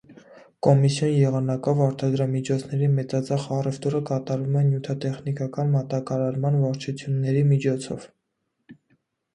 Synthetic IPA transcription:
kɔmisjɔnjɛʁɑnɑkɔvɑɾt̪ɑd̪ɾɑmit͡ʃʰɔt͡sʰnɛɾimɛt͡sɑt͡sɑχɑrɛft̪urəkɑt̪ɑɾumɛnjut̪ʰɑt̪ɛχnikɑkɑnmɑt̪ɑkɑɾɑɾmɑnvɑɾt͡ʃʰut͡sʰjunːɛɾimit͡ʃʰɔt͡sʰɔ̰v̥

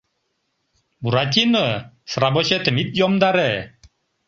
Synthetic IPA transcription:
buɾatʲinə | sɾabɔɕɛt̪əmit̪̚jɔmd̪aɾe

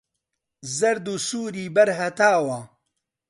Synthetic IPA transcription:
zɐɾd̪uːsuːɾiːbɐɾɦɐt̪aːwɐ

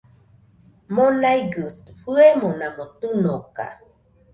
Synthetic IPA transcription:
monajɡɨt̪ɸɨemonãmot̪ɨnoka̰

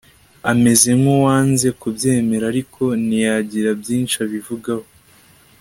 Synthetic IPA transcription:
ame̞ze̞mowaːnze̞kubje̞ːme̞ɾaɾikʰo̞nijaɟiɾabjiːnt͡ʃiaβivuɡaho

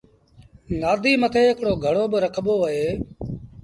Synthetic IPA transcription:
naːd̪ʱiːmət̪ʰeːɦɪkɽoːɡʱəɽoːbəɾəkʰɓoːəɦeː

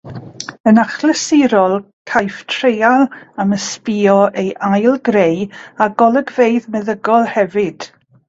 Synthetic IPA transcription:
ənaχləsɪɾɔlˠ | kʰajftʰrejalˠaməspiːɔʔejʔajlˠɡɾejaɡɔlˠəɡvejðmɛðəɡɔlˠhɛvɨd̥

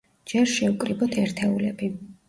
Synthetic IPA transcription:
d͡ʒɛɾʃɛukʼɾibɔt̪ʰɛɾt̪ʰɛulɛbi

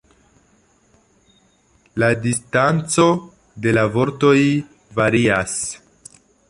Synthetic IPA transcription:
ladistant͡so̞ | de̞lavo̞ɾto̞j | vaɾias

